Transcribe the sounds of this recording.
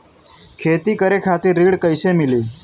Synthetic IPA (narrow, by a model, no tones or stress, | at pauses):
kʰeːt̪ikəɾekʰat̪iɾiɽkəjsemiliː